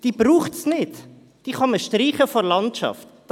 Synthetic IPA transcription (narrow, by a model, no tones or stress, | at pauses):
d̥iːbɾuːχtsnɪt | d̥iːχɑməʃtriːχəfoɾlɑntʃɑ̰ftː